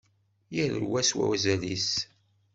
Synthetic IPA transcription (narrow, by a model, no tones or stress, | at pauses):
jəɾə̰ɾwæswæ̰wæzælis